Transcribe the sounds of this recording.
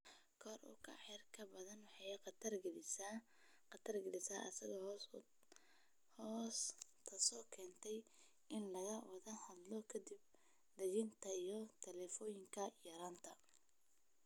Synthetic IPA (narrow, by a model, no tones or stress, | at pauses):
kʰɔːrʊ̰kʰɐ̰ħɛrkʰɐbɐðɐnwɑħɑjqɐt̪ʰɐrɡ | qɐt̪ʰɐrɡɪlɪsaːʔɐsɐɣɔ | hɔskʰɐsɔːkʰɛːnt̪ʰɛj | ʔɪnlɐɣɐwɐðɐhɐd̪lɔkʰɐd̪ib̚ | d̪ɐɣɪnt̪ʰɐijɞt̪ʰɛlɛːfɔːjɪŋkʰɐjɐɾaːnt̪ʰɐ